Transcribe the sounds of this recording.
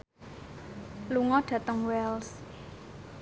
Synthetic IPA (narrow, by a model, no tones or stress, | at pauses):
luŋɔɖ̥ä̤t̪əŋwɛls